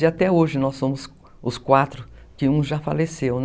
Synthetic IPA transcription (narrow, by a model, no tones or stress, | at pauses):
ɪat̪ɛoʒɪnɔsːõmʊs | ʊskwat̪ɾʊkɪũʒafalesewn